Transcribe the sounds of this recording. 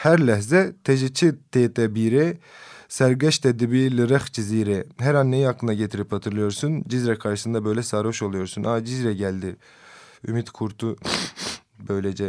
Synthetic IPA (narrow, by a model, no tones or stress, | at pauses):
hæɾlʲæɦzɛt̪ʰeʒit͡ʃʰit̪ʰet̪ʰɛbiɾɛsæɾɡɛʃt̪ʰɛd̪ibilʲɯɾaxt͡ʃʰiziːɾɛɦæɾanːejiaklːˠɯnaɟet̪ʰiɾipʰat̪ʰɯɾlˠɯjo̞ɾsund͡ʒizɾɛkʰaɾʃɯ̥sɯnabø̞jlʲɛsaːɾo̞ʃolˠujo̞ɾsunʔad͡ʒizɾɛɟælʲd̪i | ymit̪kʰuɾt̪ʰu | bø̞jled͡ʒɛ